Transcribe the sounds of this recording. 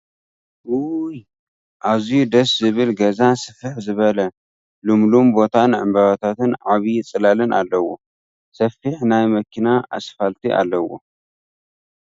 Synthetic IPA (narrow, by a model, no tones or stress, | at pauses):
ʔuj | ʔaβzijud̪ɐszɨβɨlɡɐzasɨfɨħzɨβɐlɐ | lumlumbo̞t̪ʰanʕɨmbɐβat̪ʰat̪ɨnʕaβit͡sʼɨlalɨnʔalːɐwo̰ | sɐfiħnajmɐkʰːinaʔa̰sfalt̪ʰiʔa̰lːɐwo̞̰